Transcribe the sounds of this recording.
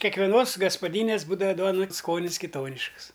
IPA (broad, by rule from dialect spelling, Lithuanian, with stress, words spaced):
kʲɛkʋʲɛˈnoːs ɡɐspɐˈdʲiːnʲeːs ˈbuːdɐʋɐ ˈduɔnɐ ˈskoːnʲɪs kʲɪˈtoːnʲɪʃks